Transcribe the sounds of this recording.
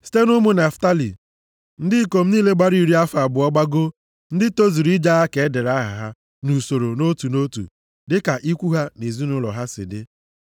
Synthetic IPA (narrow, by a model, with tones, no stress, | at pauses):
si̥˦te˦nʊ˦mʊ˦ne˨fta˦lḭ˨ | n̩˦dɪ˦ko˨m̩˦niː˦le˦ɡ͡ba˦ɾi˦˨ɾi˦a˦fa˨bʊ˨ɔ˦ɡ͡ba˦ɡo˦ | n̩˦dɪ˦to˦zi˨ɾi˦d͡ʒa˦ɦa˦ke˨˦de˨ɾa˦ɦa̰˨ɦa˦ | nu˨so˨ɾo˨no˦tu˨no˦tṵ˨ | dɪ˦ka˨ʔi˦kʷu˦ɦa˦ne˨zi˦nʊ˦lɔ̰˨ɦa˦sɪ̰˨dɪ̰˦